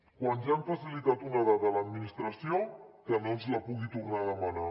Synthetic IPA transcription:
kwanʒaːɱfasilit̪at̪unaðaðələd̪minist̪ɾəsiokənonzləpuɣit̪urnaðəməna

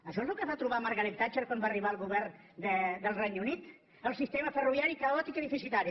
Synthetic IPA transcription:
əʃɔezlˠkəβat̪ɾuβamaɾɣəlekt̪at͡ʃəɾkwambariβalˠɣuβɛrn | d̪əd̪əlˠrɛjnunit̪ | əlˠsist̪eməfəruβjaɾikəɔt̪ikəðifisit̪aɾi

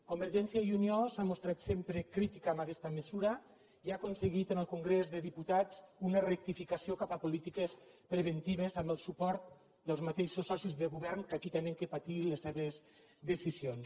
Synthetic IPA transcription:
kumbəɾʒɛnsiajuniosamust̪ɾat̪sempɾəkɾit̪ikaːmbakɛst̪əməzuɾə | iakunsəɣit̪ənəlˠkuŋɡɾezðəðiput̪at͡sunərək̚t̪ifikasiokapapulit̪ikəspɾəβənt̪iβ̞əzambəlˠsupɔɾt̪̚ | d̪əlˠzmat̪eʃosɔsizðəɣuβɛɾŋkakit̪ɛnəŋkəpat̪iləsːɛβəz | d̪əsizions

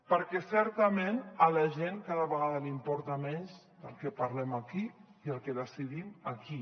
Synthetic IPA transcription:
pəɾkɛsɛɾt̪əmenəlaʒenkaðəβəɣaðəlimpɔɾt̪amɛɲz | d̪əlˠkepaɾlɛmakiiəlˠkeðəsiðimaki

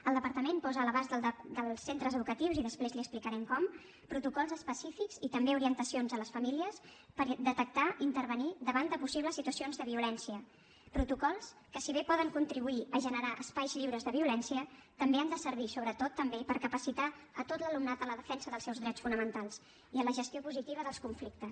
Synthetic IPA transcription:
əlˠd̪əpəɾt̪əmempɔzəːləβazəd̪əlˠsːent̪ɾəzəðukət̪iwziðəspɾezliəsplikəɾɛmkɔm | pɾut̪ukɔlˠzəspəsifikzit̪əmbeuɾiənt̪əsionzələsfəmiliəs | pəɾd̪ət̪ək̚t̪aʔint̪əɾβənid̪əβand̪əpusiβləsːit̪uəsionzðəβiulɛnsiə | pɾut̪ukɔlˠskəsiβ̞epɔðəŋkunt̪ɾiβuiəʒənəɾaʔəspajzʎiwɾəzðəβ̞iulɛnsiət̪əmbeand̪əsəɾβ̞isoβɾət̪ot̪ːəmbepəɾkəpəsit̪a | ət̪ot̪ləlumnat̪ələðəfɛnsəðəlˠsɛwzðɾɛt͡sfunəmənt̪alˠs | iələʒəst̪iopuzit̪iβəðəlˠskuɱflik̚t̪əs

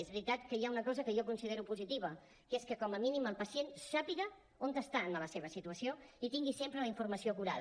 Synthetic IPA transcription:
ezβɾit̪at̪kəjaunəkɔzəkəʒɔkunsiðeɾupuzit̪iβ̞ə | keskəkɔməminiməlˠpəsiensapiɣə | ont̪əst̪anələseβ̞əsit̪uəsioit̪iŋɡisempɾəliɱfuɾməsiokuɾa̰ð

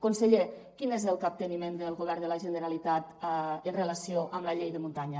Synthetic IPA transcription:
kunsəʎekinezəlˠkap̚t̪ənimend̪əlˠɣoβ̞ɛɾðəlaʒənəɾalit̪at̪ənrəlasioʔəmləʎejðəmunt̪aɲə

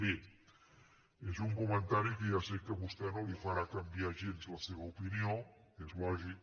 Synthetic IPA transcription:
i | ezuŋkumənt̪aɾikejasekːəβust̪ɛnolifaɾakambiaʒenzləseβəupinio | kezβɔʒi

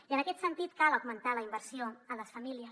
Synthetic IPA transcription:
iənəkɛt̪sənt̪it̪kaləwɡmənt̪aləimbəɾsioələsfəmiliəs

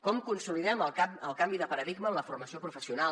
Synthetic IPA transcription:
kɔmkunsuliðɛməlˠkaəlˠkambiðəpəɾəðiɡməːmləfurməsiopɾufəsiuna

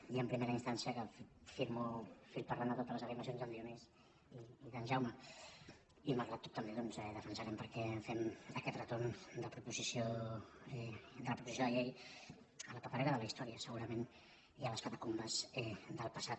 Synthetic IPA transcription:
iəmpɾimeɾəinst̪ansiəkəffiɾmofiɾpəɾland̪ət̪ot̪ələzəɾiməsionzðəld̪iomez | iːðənʒawmə | iməlˠɣɾat̪ːɔ̥t̪ːəmbeðɔnzɛðəfənsəɾɛmpəɾkɛfɛməkɛt̪rət̪ond̪əpɾupuzisioɛd̪ələpɾupuzis̬joðəʎej | ələpapəɾɛɾəðələist̪ɔɾiəsəɣuɾəmen | iələskət̪əkumbəzɛd̪əlˠpəsat̪̚

